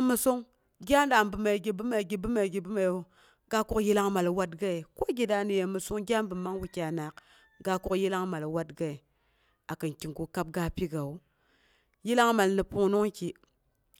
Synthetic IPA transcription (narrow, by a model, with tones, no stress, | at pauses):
mu˨su˦ŋ | ɡʲa˦n˦da˨m˨bɨ˨ma˨i˨ɡi˨bɨ˦ma˨ɡi˨bɨ˦ma˨ɡi˨bi˦ma˨˦ | ɡa˦ku˦kji˦la˦ŋma˨lwa˦tɡa˦i˨ko˦ɡi˨da˨ni˨je˨mu˨su˦ŋɡʲa˦m˦bɨ˨ma˦ŋwu˨kʲa˨na˨k | ɡa˦ku˦kji˦la˦ŋma˨lwa˦tɡa˦i˨ | a˨kɨ˨nki˨ŋɡu˨ka˦p̚ɡa˦pi˦ɡa˨u˦ | ji˦la˦ŋma˨lni˨pu˦nu˦ŋki˨